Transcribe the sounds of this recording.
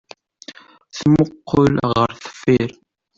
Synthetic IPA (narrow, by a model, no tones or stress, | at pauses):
θməqːʊlʁəɾθə̥fiɾ